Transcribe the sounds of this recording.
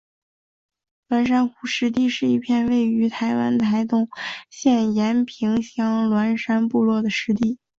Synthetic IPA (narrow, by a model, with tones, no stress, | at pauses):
lwa˧˥nʂa˥nxu˧˥˩ʂɻ̩˧˥t̪i˥˧ʂɻ̩˥˧i˥˧pʰjɛ˥˧nwe˥˩ɪy˧˥t̪ʰa˧˥ɪwa̰˥nt̪ʰa˧˥ɪt̪ʊ˥˧ŋɕjɛ˥˩njɛ˧˥npʰi˧˥ŋɕjɑ˥ŋlwa˧˥nʂa˥npu˥˧lwɔ˥˩d̪ə˩ʂɻ̩˧˥t̪i˥˩